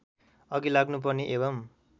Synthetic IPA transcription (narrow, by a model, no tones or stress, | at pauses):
ʌɡilaɡnup̬ʌrniʔebʌm